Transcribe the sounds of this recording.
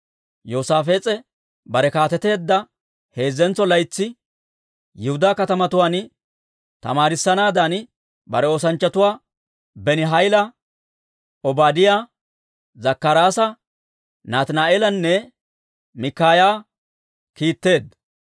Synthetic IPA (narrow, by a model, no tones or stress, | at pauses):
jo̞ːsaːfeːt͡sʼɛ | bɐɾɛkaːt̪ɛt̪e̞ːd̪ːɐ | he̞ːzːɛnt͡sːɔlɐjt͡sːɪ | jɪhʊd̪aːkɐt̪ɐmɐt̪ʊwaːn | t̪ɐ̰maːɾɪsːɐnaːd̪an | bɐ̰ɾɛo̞ːsɐnt͡ʃːɐt̪ʊwaː | bɛnɪɦɐjlɐ | ɔbaːd̪ɪjaː | zɐkːɐɾaːsɐ | naːt̪naːeːlɐnːɛ | mɪkːaːjaː | kiːt̪ːe̞ːd̪ɐ